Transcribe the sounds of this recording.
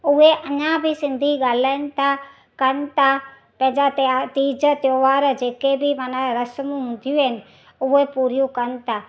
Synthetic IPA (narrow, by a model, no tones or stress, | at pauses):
ʊɦeʔɐɲãbʱɪsɪ̃nd̪ʱiɡaːl̤aːɪnɪ̆t̪ʰa | kɐnɪ̆t̪ʰa | pɐ̃ɦɪ̃ɲd͡ʑat̪iːd͡ʑət̪joːʋaːɾd͡ʑeːkebɪmaːnaɾɐsəmɦʊ̃ːnd̪ʱijũɦɪnɪ̆ | ʊɦepuːɾijũkɐnɪ̆t̪ʰa